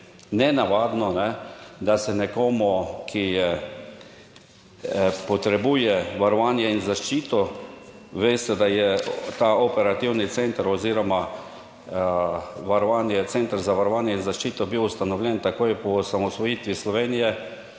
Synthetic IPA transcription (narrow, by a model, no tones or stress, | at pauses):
nɛnaʋaːd̪nɔnɛd̪asɛnɛkoːmukʰijɛ | pɔt̪ɾɛbuːjɛʋaɾɔʋaːnjɛinzaʃt͡ʃiːt̪ɔ | ʋest̪ɛd̪ajɛt̪aopɛɾat̪iwnit̪sent̪aɾɔziːɾɔma | ʋaɾɔʋaːnjɛt̪sent̪əɾzaʋaɾɔʋaːnjɛinzaʃt͡ʃiːt̪ɔbiwust̪anɔʋwlʲɛnt̪akoːjpɔːsamɔsʋɔjiːt̪ʋislɔʋeːnijɛ